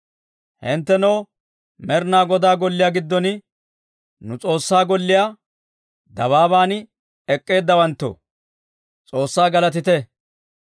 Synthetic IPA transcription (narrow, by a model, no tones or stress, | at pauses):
hɪnt̪ːɛnɔw | mɛɾnaːɡɔd̪aːɡɔlːɪjaːɡɪd̪ːɔnɪ | nʊt͡sʼo̞ːsːaːɡɔlːɪjaː | d̪ɐβaːβaːnɪ | ɛkʼːe̞ːd̪ːɐwɐnt̪ːo̰ | t͡sʼo̞ːsːaːɡɐlɐt̪ɪt̪ɛ